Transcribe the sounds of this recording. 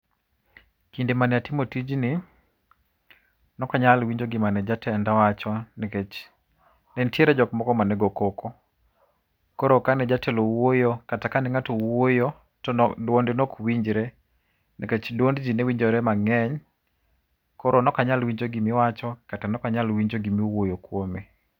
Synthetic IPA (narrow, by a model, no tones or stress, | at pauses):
kindemanɛatimotid͡ʒnɪ | nɔkaɲalwiɲd͡ʒoɡɪmanɛd͡ʒatɛndawat͡ʃɔnɛket͡ʃ | nɛntjeɾɛd͡ʒɔkmɔkɔmanɛɡokoko | kɔɾokanɛd͡ʒatɛlowojokatakanɛŋatowojo | tɔdwondɪnɔkwiɲd͡ʒɾɛ | nʔɛket͡ʃdwondd͡ʒinewiɲd͡ʒoɾɛmaŋɛɲ | kɔɾʔonɔkaɲalwiɲd͡ʒoɡimɪwat͡ʃɔkatanɔkaɲalwiɲd͡ʒoɡimiuwojokwome